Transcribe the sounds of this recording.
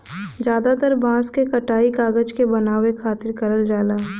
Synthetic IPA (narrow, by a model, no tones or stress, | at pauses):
d͡ʒjaːd̪at̪əɾbãːskekɐʈaːikaːɡəd͡ʒkebɐnaːwekʰaːt̪ɪɾkɐɾəld͡ʒaːlaː